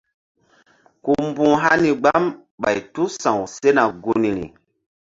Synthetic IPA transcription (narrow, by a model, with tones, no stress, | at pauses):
ku˨mbũ˦ɦa˦ni˨ɡ͡ba˦m | ɓa̰˨jtu˦sã˨wse˦na˨ɡu˦ni˨ɾḭ˨